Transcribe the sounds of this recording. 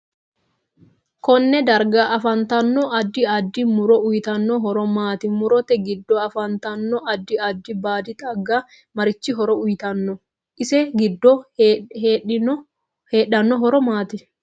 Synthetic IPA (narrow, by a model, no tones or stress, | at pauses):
kɔnːɛd̪ɐɾɡaːʔɐfɐnt̪ɐnːɔʔɐd̪ːɪɐd̪ːɪmʊɾɔʔʊjt̪ɐnːɔɦɔɾɔmaːt̪ɪmʊɾɔt̪ɛɡɪd̪ːɔɐfɐnt̪ɐnːɔʔɐd̪ːɪɐd̪ːɪbaːd̪ɪt̪ʼɐɡːaː | mɐɾɪt͡ʃːɪɦɔɾɔʊjt̪ɐnːɔ | ʔɪsɛɡɪd̪ːɔheːɗɪnɔ | heːɗːɐnːɔɦɔɾɔmaːt̪ɪ